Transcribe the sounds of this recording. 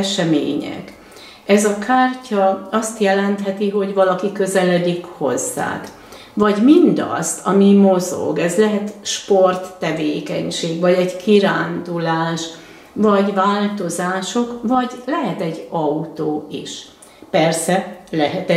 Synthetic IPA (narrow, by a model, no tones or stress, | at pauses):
ʃɛmḛːɲɛ̰k | ɛzɒkaːrcʰɒɒst̪jɛlɛnt̪ɦɛt̪iɦo̞ɟvɒlɒkikø̞zɛlɛd̪ikho̞̰zːa̰ːk | vɒɟmind̪ɒ̰st̪ʰɒmimozo̞̰ɡɛzlɛɦɛt̪ʃpo̞rt̪ːɛveːkɛɲʃeːɡvɒɟɛɟkiɾaːnd̪ulaːʃ | vɒɟvaːlt̪o̞zaːʃo̞kvɒɟlɛɦɛt̪ɛɟːɒut̪oːiʃ | pɛrsɛlɛɦɛt̪ɛ